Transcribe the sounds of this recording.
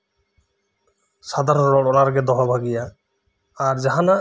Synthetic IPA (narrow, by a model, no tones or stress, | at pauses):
sad̪ʱaɾɔɾɔɽɔnaɾɡɛd̪ɔɦabʱaɡijaː | ɾd͡ʒaɦana